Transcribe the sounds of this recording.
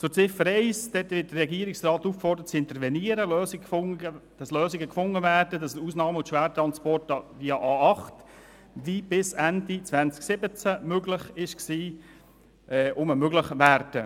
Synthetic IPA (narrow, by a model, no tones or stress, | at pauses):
t͡sʊɾt͡sɪfːəɾɛɪsd̥ɛtʋɪt̚d̥ərɛɡiəɾɪksrɑːt̪ufkfɔrdəɾət͡sɪnt̪əɾvɛniəɾəløːsɪəd̥ɑsløːsɪɡəkfʊŋːəvæːd̥ədɑsuːsnɑːməʊntʃʋæːɾtɾɑnspɔrtɑviɑʔɑɑχt | vibɪsændit͡sʋænt͡sksɪbət͡sæmøɡlɪχɪʃksiː | ʔɛʔʊməmøɡlɪχʋæɾd̥ə